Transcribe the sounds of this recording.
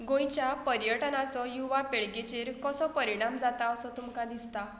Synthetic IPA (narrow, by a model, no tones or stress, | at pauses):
ɡõjt͡ɕjapəɾjəʈnat͡sɔjuʋapeɭɡet͡ɕeɾkɔsɔpəɾiɽ̃amd͡zat̪aəsɔt̪umkad̪ist̪a